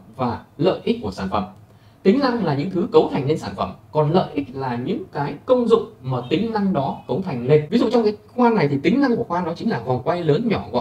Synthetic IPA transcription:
vaː˨˩lə̰ː˧˨jʔi̟˦˥kːu˧˩əsaː˧˩nfə̰˧˩m | t̪ï˨˦ŋ̟na˧ŋlaː˨˩ɲɨ̰˧˥ŋt̪ʰɨ˨˦kə˨˦wt̪ʰa˨˩jŋ̟le˧nsaː˧˩nfə˧˩mkɔ˨˩nlə̰ː˧˨jʔi˦˥k̚laː˨˩ɲɨ̰˧˥ŋkaː˨˦jkə˧wŋ͡mzʊ̰˧˨ŋ͡mmaː˨˩t̪ï˨˦ŋ̟na˧ŋɗɔ˨˦kə˨˦wt̪ʰa˨˩jŋ̟le˧nvi˨˦zṵ˧˨t͡ɕɔ˧wŋ͡mkaː˨˦xwaː˧na˨˩jt̪ʰi˨˩t̪ï˨˦ŋ̟na˧ŋku˧˩əxwaː˧ɗɔ˨˦t͡ɕï˨˦laː˨˩vɔ˨˩wŋ͡mkwa˧jləː˨˦nɲɔ˧˩ɣɔ̰˧˨

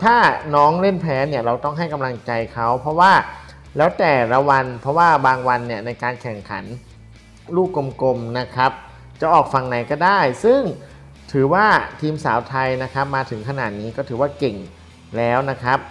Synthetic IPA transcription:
t̪ʰaː˥˩nɔː˦˥ŋle˥˩npʰɛː˦˥ni˥˩ɐɾa˧wt̪ɔ˥˩ŋɦa˥˩jka˧mla˧ŋt͡ɕa˧jkʰa˦˥wpʰɾɔ˦˥waː˥˩ | lɛː˦˥wt̪ɛː˨˩la˧wa˧npʰɾɔ˦˥waː˥˩baː˧ŋwa˧nːi˥˩ɐna˧jkaː˧nkʰɛ˨˩ŋkʰa̰˩˦n | ɾuː˥˩k̚ko˧mko˧mna˦˥kʰa˦˥p̚ | t͡ɕa˨˩ʔɔː˨˩k̚fa˧ŋna˩˦jkɔː˥˩daː˥˩jsɯ˥˩ŋ | t̪ʰɯː˩˦waː˥˩t̪ʰiː˧msaː˩˦wt̪ʰa˧jna˦˥kʰɾa˦˥p̚maː˧t̪ʰɯ˩˦ŋkʰa˧na̰ː˨˩t̪̚niː˦˥kɔː˥˩t̪ʰɯː˩˦waː˥˩ke˨˩ŋ | lɛː˦˥wna˦˥kʰɾa˦˥p̚

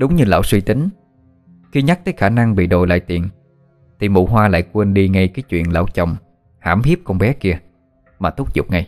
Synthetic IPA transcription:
ɗʊ˨˦wŋ͡mɲɨ˧la̰ː˧˨wswi˧t̪ï˨˦ŋ̟ | xi˧ɲa˦˥k̚t̪əː˨˦jxaː˧˩na˧ŋɓḭ˧˨ɗo˨˩jla̰ː˧˨jt̪ḭ˨˩˨ən | t̪ʰi˨˩mṵ˧˨ɦwaː˧la̰ː˧˨jkwə˧nɗi˧ŋa˧jkaː˨˦jt͡ɕwḭ˧˨ənla̰ː˧˩wt͡ɕɔ̰˧˨wŋ͡m | ha̰ː˧˩mhi˦˥əp̚kɔ˧nɓɛ˨˦ki˧ə | maː˨˩t̪ʊ˦˥k͡p̚zʊ̰˨˩k͡p̚ŋa˧j

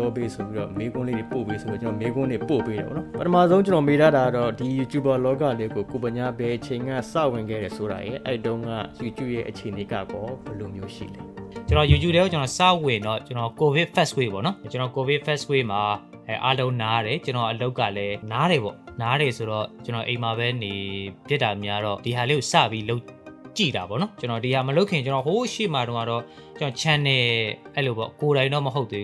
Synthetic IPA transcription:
ɔ˦be˦so˨bi˦ɾɔ̰˦˨me˦ɡʊ̃˦lḛ˦˨ɾe˨po˨pe˦so˨bi˦ɔ˨ənɔ˨me˦ɡʊ̃˦nle˦˨po˨pe˦ɾɛ̰˨bɔ̰˨nɔ˦pətʰəma˦˨zõ˦ʊ̃ɲt͡ɕə˨nɔ˨me˦ɾa˦˨ɾa˨a˦˨ɔ˦˨di˨ju˨t͡ɕu˨ba˨lɔ˦ka˦˨lɛ˦ɡo˨ko˨bə˨ɲa˦˨bɛ˨ʔət͡ɕʰẽ˨ɪ̃ŋɡa̰˦˨sä̰˦˨wɪ̃˨ŋɡɛ̰˦˨ɾɛ˨so˨ɾa̰˨jɪ̰̃˨ʔɛ̰˦ḭ˦˨tõ˦ʊ̃ŋɡa̰˦˨ju˨t͡ɕṵ˦˨jɛ̰˦ʔət͡ɕʰe˨ne˨ɡa̰˦˨ɡɔ˦bəlo˨mjo˨˦ʃḭ˦˨lɛ˨t͡ɕənɔ˨ju˨t͡ɕṵ˦˨ɾɛ˦o˨t͡ɕənɔ˨sa̰˦˨wɪ̃˨ndɔ̰˦˨t͡ɕənɔ˨ko˨vɪ˦ʔfʰɛ˦skwe˦˨bɔ̰˦˨nɔ˦t͡ɕənɔ˨ko˨vɪ˦ʔfɛ˦ʔskwe˦ma˨ | ɛ˨ʔa˦lõ˦ʊ̃na˦ɾɛ˨t͡ɕə˨nɔ˨ʔəlo˦ʊkːä̰˦˨lɛ˦na˦ɾɛ˨βɔ̰˦˨na˨˦ɾɛ˨so˨ɾɔ˦˨t͡ɕənɔ˨ʔẽ˨ma˨βɛ˦ne˨bjɪ˦tːa˨mja˦ɾɔ̰˦d̥i˨ɦa˨le˦o˨sä̰˦˨pji˦lo˦ʊt͡ɕḭ˦˨ɾa˨bɔ̰˦˨nɔ˦t͡ɕə˦nɔ˨di˨ha˨məlo˦ʊkʰɪ̃˨ɲt͡ɕə˦nɔ˨ɦo˦ʃḛ˦˨ma˨ɾõ˦ʊ̃a˦˨ɔ˦˨ | t͡ɕənɔ˨t͡ɕʰã˨nɛ˨ʔɛ˦lo˨bɔ̰˦˨ko˨ɾã˨ɪ̃ndɔ̰˦˨mə˨ɦo˦t̪̚e˦

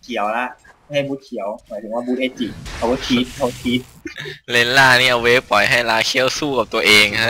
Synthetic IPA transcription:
kʰi˨˩˦əwla˧˥ʔ | a˥˩jha˥˩jbuː˧˥t̪̚kʰi˨˩˦əwmʰɔ˨˩˦jt̪ʰɯ˩˦ŋwaː˧˩bu˧˥t̪ʔeː˧˥t͡ɕi˨˩kʰa˧wbt̪ʰiː˦˥t̪̚kʰa˧˦bɔ˧˥t̪ʰiː˧˦˥t̪̚ | le˧˥nlaː˧˩niː˧˩ʔa˧weː˦˥pɔ˨˩jɦa˥˩jlaː˧˥kʰi˧˥˩ə˨wsuː˥˩ka˨˩p̚t̪u˧ɐʔeː˧ŋʰa˦˥

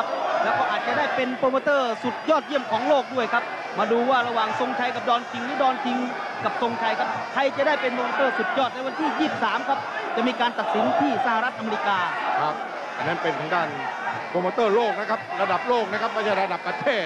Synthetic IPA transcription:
kʰa˦˥plɛː˦˥wkɔː˥˩ʔaː˨˩t̪̚t͡ɕa˨˩daː˥˩jpe˧npʰoː˧maː˧t̪ɤː˥˩su˨˩t̪̚jɔː˥˩t̪̚ji˥˩əmkʰɔː˩˦ŋloː˥˩k̚du˥˩əjkʰa˦˥p̚ | maː˧duː˧waː˥˩ɾa˧waː˨˩ŋso˧ŋt͡ɕʰa˧jka˨˩p̚dɔː˧nk̪ʰi˧ŋniː˦˥˩dɔː˧nk̪ʰi˧ŋ | ka˨˩p̚so˧ŋt͡ɕʰa˧jkʰa˦˥p̚k̪ʰa˧jt͡ɕa˨˩daː˥˩jpe˧npoː˧ma˧t̪ɤː˥˩su˨˩t̪̚jɔː˥˩t̪̚lɛ˦˥wa˧nt̪ʰiː˥˩jiː˥˩˨p̚saː˩˦mkʰa˦˥p̚ | t͡ɕa˨˩miː˧kaː˧nt̪a˨˩t̪̚si˩˦nt̪ʰiː˥˩sa˧ha˨˧ɾa˦˥t̪ʔa˧me˧i˧˥kaː˧kʰa˦˥p̚ | ʔa̰˨˩na˦˥˩npe˧nt̪ʰaː˩˦ŋdaː˥˩npʰoː˧maː˧t̪ɤː˥˩loː˥˩k̚na˦˥kʰa˦˥p̚ɾa˧da˨˩p̚loː˥˩k̚na˦˥kʰa˦˥p̚ma˥˩aː˧˩ɾa˧da˨˩pːɾa˧t̪ʰeː˥˩t̪̚

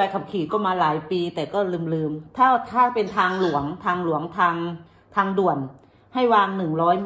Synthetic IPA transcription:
a˧jkʰa˨˩kʰiː˨˩˦kɔː˥˩maː˧laː˩˦jpiː˧t̪ɛː˨˩kɔː˥˩lɯː˧mlɯː˧mt̪ʰaː˥˩t̪ʰaː˥˩pe˧nt̪ʰaː˧ŋlu˩˦əŋt̪ʰaː˧ŋlu˨˩˦əŋt̪ʰaː˧ŋ | t̪ʰaː˧ŋdu˨˩ən | ha˥˩jwaː˧ŋnɯ˨˩ŋɾɔː˦˥j

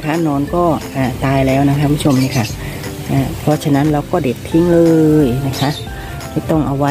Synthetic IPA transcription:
kʰa˦˥nɔː˧˥nkɔː˥˩ʔaː˨˩t̪aː˧jlɛː˦˥wna˧˥kʰa˧˥kʰu˧m˦u˥t͡ɕʰo˧mniː˧˥˩kʰa˥˩ʔ | ʔaː˧˩pʰɔ˦˥t͡ɕʰa˧na˦˥nɾaː˧wkɔː˥˩de˨˩t̪ʰːi˧˥ŋlɤː˧jna˦˥kʰa˦˥ʔ | kʰiː˧˩t̪ɔ˥˩ŋʔa˧wa˦

